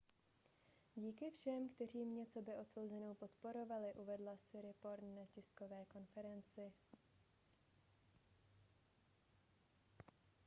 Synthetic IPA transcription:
ɟiːkɪfʃɛmkt̪ɛr̝iːmɲɛtt͡so̞bɪʔo̞t̪so̞wzɛno̞wpo̞t̪po̞ɾo̞valɪʔuvɛdlasɪɾɪpo̞ɾtnacɪsko̞vɛːko̞nfɛɾɛnt͡sɪ

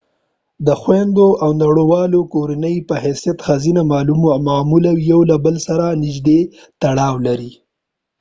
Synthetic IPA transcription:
d̪əxwend̪oʔawnaɽowɑlokoɾanəjpəɦɛsijat̪xazinamɑlummamulawiawlabəlsaɾanɪd͡ʒd̪e | t̪aɽɑwlaɾi

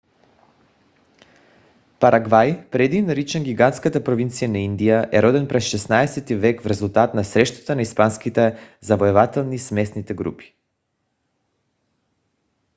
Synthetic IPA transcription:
paɾʔaɡvajpɾɛd̪inɾit͡ʃɛnɡʲiɡant̪skat̪apɾovint̪sijanaind̪ijaʔɛɾɔd̪ɛnpɾɛsʃɛsnaɛsɛt̪ivɛkvɾɛzulˠt̪at̪nasɾɛʃt̪ḁt̪anaispanskit̪ɛzavoɛvat̪ɛlˠnismɛsnit̪ɛɡɾṵpi̥

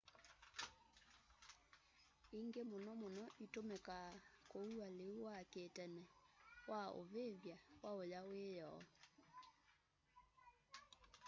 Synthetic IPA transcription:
iŋɡemonɔmonɔʔitomekakoualewaketɛnɛwao̰βeβjawaojawejɔ

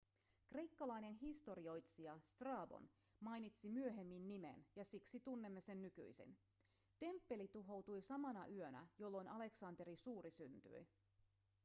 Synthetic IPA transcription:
kre̞jkːɑlɑjne̞nɦist̪o̞ɾio̞jt̪siɑst̪rɑːbo̰n | mɑjnit̪simyø̞ɦe̞mːinːime̞̰njɑsiksit̪unːemːe̞se̞nːyky̰jsḭn | t̪e̞mpːe̞lit̪uɦo̞wt̪ujsɑmɑnɑʔyønæ̰jo̞lːo̞nɑle̞ksɑnt̪e̞ɾisuːɾisynt̪y̰i

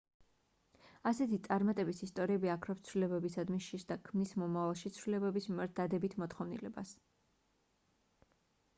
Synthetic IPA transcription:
asɛt̪ʰit̪sʼaɾmat̪ʼɛbisist̪ʼɔɾiɛbiakʰɾɔpst̪sʰvlilɛbɛbisad̪miʃisd̪akʰmnismɔmavalˠʃit̪sʰvɾilɛbɛbismimaɾt̪̚d̪ad̪ɛbit̪ʰmɔt̪χɔvnḭlɛbas

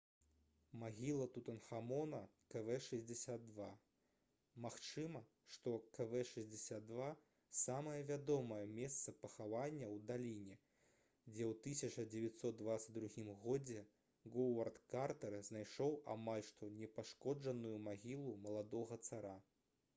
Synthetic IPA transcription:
maɣʲilˠɐt̪ut̪ɐnxamɔnɐ | kɛvɛʂɐzʲd͡zʲɛsʲad̪̚ːva | maxt͡ʂɨmɐ | ʂt̪ɔkɐvɛʂɐzʲd͡zʲɛsʲad̪̚d̪va | samɐjɐvʲad̪ɔmɐjɐmʲɛst̪sɐpɐxavanʲːɐwd̪alʲinʲɛ | d͡zʲɛwt̪ɨsʲɐt͡ʂɐd͡zʲɛvʲat̪ʲsɔt̪̚d̪vat̪sɐd̪ɾuɣʲimɣɔd͡zʲɛ | ɡɔwɐrt̪kart̪ɐɾznajʂɔwa̰malʲʂt̪ɔnʲɛpaʂkɔd͡ʐɐnujumaɣʲilˠumɐlˠad̪ɔɣɐt̪saɾa

